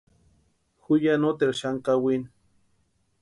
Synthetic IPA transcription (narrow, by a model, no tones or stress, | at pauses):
xujanot̪eɾʃaŋkawin